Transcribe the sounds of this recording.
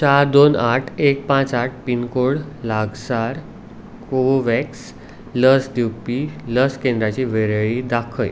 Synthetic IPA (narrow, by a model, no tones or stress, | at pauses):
t͡ɕaɾd̪onaʈʰek̚pãt͡saʈ̚ʰpinkoɭlaɡsaɾ | koʋɛks | ləsd̪jupiləskẽnd̪ɾat͡ɕiʋeɾəɭid̪akʰəj